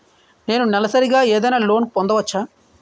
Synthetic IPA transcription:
ne̞ːnunɛlɐsɐɾiɡaːeːd̪ɐjnaːlo̞ːnpɔnd̪ɐʋɐt͡ʃːaː

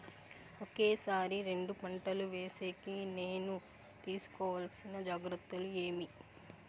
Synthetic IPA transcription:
oke̞ːsaːɾiɾe̞ɳɖupɐɳʈɐluʋe̞ːse̞ːkine̞ːnu | t̪iːsu̥kɔːʋɐlsinɐd͡ʒaːɡɾut̪ːulue̞ːmi

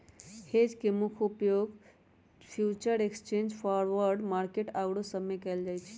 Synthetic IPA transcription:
hed͡ʒkemukʰupjoɡ | pʰjut͡ʃəɾekst͡ʃẽnd͡ʒpʰaɾʋəɾɖmaɾkeʈaɡɽosəmekeld͡ʒajt͡ʃʰi̥

